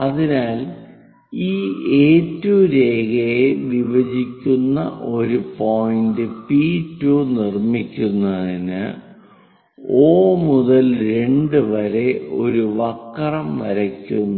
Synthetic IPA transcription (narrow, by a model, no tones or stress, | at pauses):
ɐðinaːl | iːeːtːuːɾe̞ːɡɐjeʋiʋɐd͡ʑikʲːunːɐ̰ʔo̞ɾupo̞jindɨpiːtːuːnirmikʲːunːɐðinɨ̰ | oːmuðɐlɾe̞ɳɖɨʋɐɾe̞o̞̰ɾuʋɐkːɐrɐmnɐɾɐkʲːunː